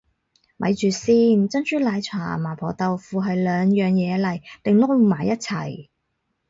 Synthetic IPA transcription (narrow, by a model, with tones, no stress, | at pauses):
mʔɐ̰˨˧jt͡ʃyː˨siː˥nt͡sɐ˥nt͡ʃyː˥laː˨˧jt͡sʰa̰ː˨˩maː˨˩pʰɔː˨˩t̪ɐ˨˧wfuː˨˧ɦɐ˨jlœː˨˧ŋjœː˨ŋjɛː˨˧lɐ˨˩jt̪ɪ˨ŋlɔː˥u˨maː˨˩jɐ˥t̚t͡sʰɐ̰˨˩j